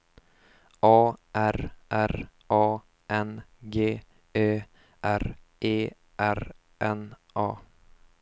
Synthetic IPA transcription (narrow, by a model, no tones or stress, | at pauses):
ɑːʔæɾʔæɾʔɑː | ʔɛnɡeː | eː | ʔæɾ | ʔeː | ʔæɾ | ʔɛn | ʔɑː